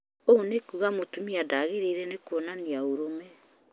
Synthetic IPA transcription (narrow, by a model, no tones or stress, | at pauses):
ownekuɣamutumiadaɣiɾeɾenekuonaniauɾome